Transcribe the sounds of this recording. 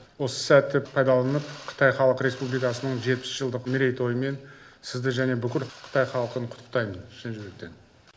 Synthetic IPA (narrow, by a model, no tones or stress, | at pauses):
wo̞sə̥sæt̪ːɪpʰɑjd̪ɑlˠɑnəpqʰə̥t̪ɑjχɑlˠəqɾʲe̞spublijkɑsənəɴʒe̞t̪̚pɪ̥sʒ̥əlˠd̪əqmɪɾe̞jt̪o̞jəme̞nsɪzd̪ɪʒæne̞bʏkʲɪlqʰə̥t̪ɑjχɑlˠəqənqʰʊ̥t̪ːə̥q̚t̪ɑjmənʃenʒɪɡek̚t̪e̞̰n